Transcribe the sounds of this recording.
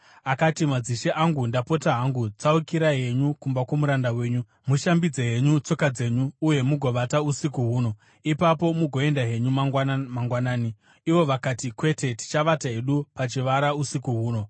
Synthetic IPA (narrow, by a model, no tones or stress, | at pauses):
akatimad͡ziʃeʔaŋɡundapo̞taɦaŋɡut͡saukiɾaɦe̞ɲukumbakwomuɾandawe̞ːɲu | muʃambid͡zeɦe̞ɲut͡so̞kad͡ze̞ɲuːje̞muɡʱo̞ʋatausikuɦuːno̞ | ipapo̞muɡʱo̞e̞ndaɦe̞ɲumamaŋɡwanaːniː | ʋo̞ʋakatikwe̞te̞ti̥t͡ʃaʋatae̞ɗupat͡ʃiʋaɾausikuɦuːno̞